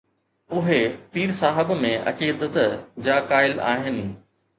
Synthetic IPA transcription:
ʊɦepiːɾsaːɦɪbmẽʔɐ̰kiːd̪ət̪d͡ʑaːkaːɪla̰ːɦɪnɪ̆

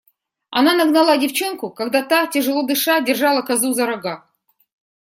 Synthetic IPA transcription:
ɐ̰nanɐɡnɐlˠadʲɪft͡ɕenkʊkaɡd̪at̪atʲɪʐɨlˠod̪ɨʂadʲɪrʐɑlˠəkɐzuzɐɾɐɡa

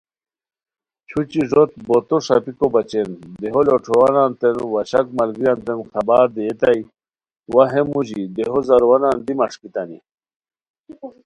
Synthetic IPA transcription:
t͡ɕʰut͡ɕiʐot̪̚bot̪oʂa̰pikobat͡ɕend̪eɦoloʈ͡ʂʰowanant̪enwaɕakmalɡijant̪enxɐbaɾd̪iːt̪aj | waɦemuʑid̪eɦozaɾwanand̪imɐʂkit̪anḭ

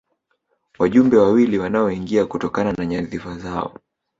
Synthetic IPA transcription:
waʄumbɛwawiliwanaɔiŋɡiakutɔkananaɲaðifazaɔ̰

